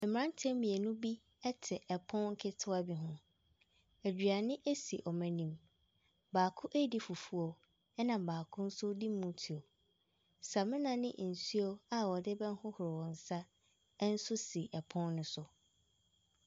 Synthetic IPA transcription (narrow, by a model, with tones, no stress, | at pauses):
m̩˨m̃˨ɾã˦n˦tʰɛ̃˦mĩ˨e˨nũ˦bi˦ | ɛ˦tʰɪ˨ʔɛ˨pʰɔ̃˦nŋ̩˦kʰɪ˦tʰʊ˦a˦bi˦ɦʊ̃˦ | æ˨d͡ʑᶣɥa˨nɪ̃˦ʔe˦si˨ʔɔ˨mɛ̃˨nĩ˨m | baː˨kʰʊ˦ʔæ˦di˦fu˨fu˦o˨ | ɛ˦nã˨baː˨kʰʊ̃˦n̩˦sʊ˦di˦mːũ˦tʰi˨o˨ | sa˨mɪ̃˦nã˨nɪ̰̃˦ʔn̩˨su˦o˦a˨wɔ˨dɪ˦bɛ̃˦n˦hʊ̃˦hʊ˨ɾɪ˨wɔ̃˨n̩˨sa˦ | n̩˦sʊ˦si˨ʔɛ˨pʰɔ̃˦nːʊ̃˦sʊ˨